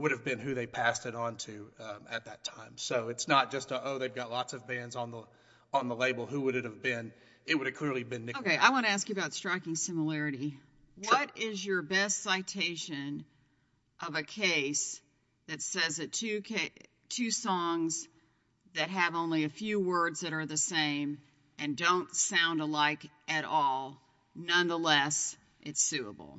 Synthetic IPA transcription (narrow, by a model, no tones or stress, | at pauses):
wʊɾɨvbɨ̃nɦʉðeɪpʰæstɨɾɑ̃ntʰʉɨ̰t̪̚ðɨtʰãɪ̃msoʊɨtsnət̚d̥ʒ̥ʌstʌʔoʊðeɪvɡɑtˡlɔtsʌvbæ̃ndzn̩ðə | ə̃nðəleɪbl̩ˠɦuwʊɾɨɾɨvbɪ̃n | ɨt̚wʊɾɨv̥kʰl̥ɪɹlˠivbɨ̃nːoʊkeɪʔa̰ɪwɑ̃ñɨæskjʉɨbaʊtstɹ̥aɪkɪ̃ŋsɪ̃məlɛɹɨɾi | wʌɾɪzjə˞bɛstsaɪtʰeɪʃɨ̃n | ʔʌvɨkʰeɪs | ðɨtsɛzɨtʰʉkʰe | tʰʉsɔ̃ŋz | ðɨt̚ɦɨvõʊ̃nliɨfjʉwɜ˞dzðɨɾə˞ðɨsẽɪ̃m | ʔɨ̃ndõʊ̃ntsãʊ̃ndəlaɪk | ɨɾɔlˠ | nʌ̃nðəlɛs | ʔɨtsʉə̰bl̩ˠ